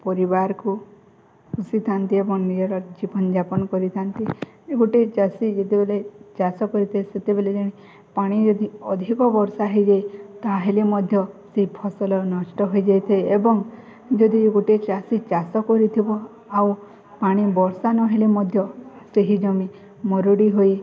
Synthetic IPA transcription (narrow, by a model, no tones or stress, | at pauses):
pɔɾibaɾɔku | usit̪ʰant̪iebɔŋnid͡ʒɔɾɔd͡ʒibɔnɔd͡ʒapɔnɔkɔɾit̪ʰant̪iɡoʈet͡ʃasid͡ʒet̪ebelet͡ʃasɔkɔɾit̪ʰieset̪ebeled͡ʒɔɽ̃i | paɽ̃id͡ʒɔd̪iɔd̪ʱikɔbɔɾsaɦed͡ʒajt̪aɦelimɔd̪ʱjɔseɦipʰɔsɔlɔnɔsʈɔɦojd͡ʒajt̪ʰajebɔŋ | d͡ʒɔd̪ʱiɡoʈet͡ʃasit͡ʃasɔkɔɾit̪ʰibɔ | aw | paɽ̃ibɔɾsanɔɦelimɔd̪ʱjɔ | seɦid͡ʒɔmi | mɔɾuɽiɦoj